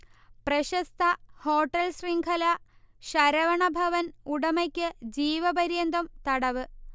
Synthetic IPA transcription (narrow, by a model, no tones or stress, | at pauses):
prɐɕɐst̪ʰɐho̞ːʈːɐlsriŋɡʰʱɐlɐ | ɕɐɾɐʋɐɳɐbʱɐʋɐnuɽɐmɐkʲːɨd͡ʑiːʋɐbɐɾjɐnd̪ɐmt̪ɐɽɐʋɨ